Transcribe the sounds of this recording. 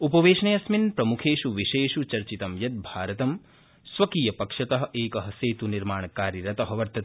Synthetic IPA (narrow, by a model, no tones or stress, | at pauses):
upɐʋeːʃɐɳɐjɐsminpɾɐmukʰeːʃuʋiʃeːʃut͡ʃɐɾt͡ʃit̪ɐmjɐt̪̚bʱaːɾɐt̪ɐm | sʋɐkiːjɐpɐkʂɐt̪ɐɦɐ̆ʔeːkɐɦɐseːt̪uniɾmaːɳɐkaːɾiɾɐt̪ɐɦɐʋɐɾt̪ɐt̪